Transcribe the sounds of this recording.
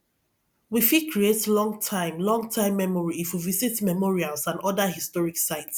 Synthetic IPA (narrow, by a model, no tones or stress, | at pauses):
wifikɹietlɔ̃ŋɡtʰãɪ̃mlɔ̃ŋɡtʰãɪ̃mːɛmɔɹiːfwivizitmɛmɔɹialsãnɔdahistɔɹiksaɪts